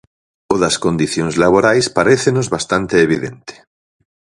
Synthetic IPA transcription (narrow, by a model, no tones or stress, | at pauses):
oðɐskond̪iθjoŋzlaβ̞oɾajspaɾeθenozβast̪ant̪eːβiðḛnt̪e̥